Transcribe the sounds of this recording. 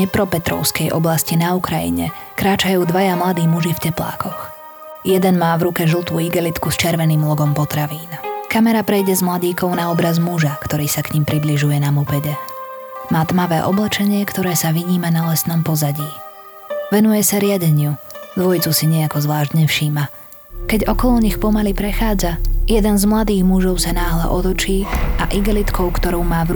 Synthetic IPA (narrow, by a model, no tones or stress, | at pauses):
ɛpɾɔpɛt̪ɾɔ̰ʊskɛjʔɔblascinaukɾajḭɲɛ̰ | kɾaːt͡ʃajuːd̪ʋajamlad̪iːmuʒifcɛpla̰ːkɔx | jɛd̪ɛnmaːvɾukɛʒl̩ˠt̪uːiɡɛlit̪kust͡ʃɪɛɾʋɛniːmlɔɡɔmpɔt̪ɾaʋiːnkamɛɾapɾɛjɟɛzmlaɟiːkɔʊnaɔbɾazmuʒakt̪ɔɾiːsakɲimpɾibliʒujɛnamupɛɟɛ | maːt̪maʋɛ̰ːʔɔblɛt͡ʃɛɲɪɛkt̪ɔɾɛːsaʋiɲiːmanalɛsnɔmpɔzaɟiː | ʋɛnujɛsaɾɪaɟɛɲɪud̪ʋɔjt͡susiɲɛakɔzʋlaːʒɟɲɛfʃiːma | kɛɟɔkɔlɔɲixpɔmalipɾɛxaːd͡zajɛd̪ɛnzmlad̪iːɣmuʒɔʊsanaːɦlɛ̰ʔɔt̪ɔt͡ʃiːʔa̰ʔiɡɛlit̪kɔʊkt̪ɔɾɔʊmaːv